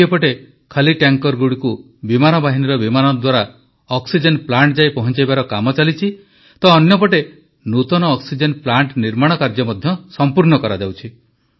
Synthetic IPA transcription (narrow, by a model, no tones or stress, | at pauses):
epɔʈe | kʰaliʈjaŋkɔɾɡuɽiku | bimanɔbaɦiniɾɔbimanɔd̪waɾa | ɔksid͡ʒenplaɳʈd͡ʒajpɔɦɔnt͡ʃajbaɾɔkamɔt͡ʃalit͡ʃʰi | t̪ɔːnjɔp̬ɔʈe | nut̪ɔnɔːksid͡ʒenplaɳʈniɾmaɽ̃ɔkaɾd͡ʒɔmɔd̪ʱjɔsɔmpuɾɳɔkɔɾad͡ʒawt͡ʃʰi